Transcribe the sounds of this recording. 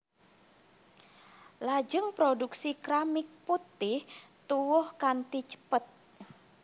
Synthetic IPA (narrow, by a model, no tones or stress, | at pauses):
lad͡ʒɨŋpɾoduksikɾamɪk̚put̪ɪht̪uwʊhkant̪it͡ʃə̥pət̪̚